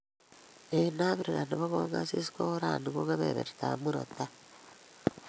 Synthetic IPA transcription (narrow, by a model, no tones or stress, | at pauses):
enaβiɾiɣaniβaɣoŋɡasisi̥koɾaniɣoŋɡaβḛβḛɾe̥ta̰muɾota